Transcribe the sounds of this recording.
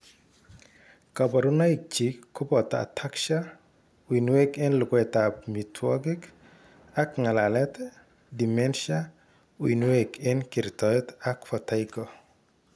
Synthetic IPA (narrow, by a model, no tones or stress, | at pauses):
kabaɾunaik̚t͡ʃikːʊpɔt̪a̰tʰakʃa | winwekɛnlʊkɔɛt̪apmitʰwɔ̰ɡɪk | akŋalalɛt̪ | dimɛnʃa | wwḭnwekɛnkiɾt̪ɔɛt̪akfataikɔ